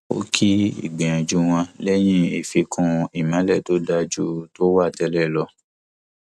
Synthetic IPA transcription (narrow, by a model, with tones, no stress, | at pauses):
o̰˦kʰi˦ḭ˨ɡ͡bẽ˨ɔ̃˨d͡ʒu˦w̃ɔ̃˧lɛ˦j̃ĩ˦e˨fi˧kʰũ˧i˨mã˨˦lɛ˦˨to˦da˧d͡ʒu˦to˦wa˦˨tɛ˧˦lɛ˦˨lɔ˧˦